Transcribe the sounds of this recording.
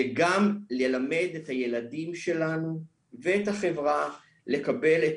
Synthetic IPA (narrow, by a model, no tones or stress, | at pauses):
eɡamlelame̞d̪e̞thaje̞ladimʃe̞lanu | veːthaχe̞vʁa | le̞kabe̞let